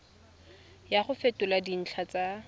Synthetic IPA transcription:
jaχʊfetʊladin̩t͡ɬʰat͡sʼa

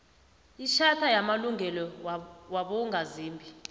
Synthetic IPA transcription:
iʃʰatʰajamaluŋʱɛlɔwaɓɔŋʱaziːmbʱi

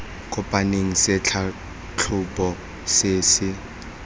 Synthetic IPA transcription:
kʼʊpʼaneŋ̩sɪt͡ɬʰa | t͡ɬʰʊbʼɔ | seːsɪ

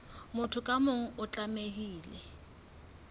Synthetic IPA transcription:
mʊtʰʊkʼamʊŋ̩ʊt͡ɬʼameɦiːlɛ

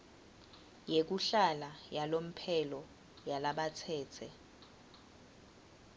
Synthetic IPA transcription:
jek̬uɬalajalom̩pʰɛlɔ | jalaɓat͡sʰɛːt͡sʰɛ

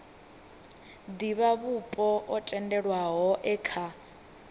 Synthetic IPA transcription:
d̪iβaβupʼɔʔɔtʼɛndɛɺwaɦɔʔɛkʰa

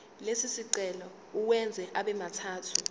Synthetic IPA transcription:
lesisiǃɛlɔ | uwɛnd͡zʱɛʔaɓɛmatʰaːtʰu

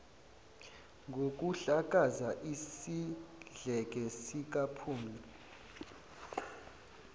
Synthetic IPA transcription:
ŋɡʱok̬ʼuɬak̬ʼazaʔisiɮɛk̬ʼɛsik̬apʰuːmi

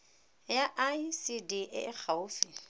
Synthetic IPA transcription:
jaʔasidiʔɪ̰ɪk͡xʰaʊːfi

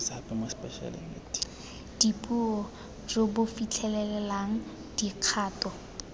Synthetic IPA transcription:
sapʼɛmospɛʃa̰lḭŋ̰ | d̥ipʼuɔ | robʊfit͡ɬʰɛlɛlɛlaŋ̩ | d̥iq͡χʰaːtɔ

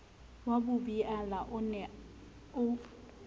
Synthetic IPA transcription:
wabubiʔalaʔʊnɛ | ʊ

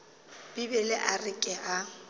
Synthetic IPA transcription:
b̥ibɛlɪʔarɪkʼɛʔa

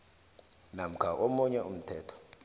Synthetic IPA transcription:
nam̩kʰaʔomuɲɛum̩tʰɛːtʰɔ̥

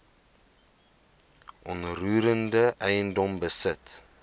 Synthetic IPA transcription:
ʔɔnruːɾəndəʔɛjəndɔmbəsət

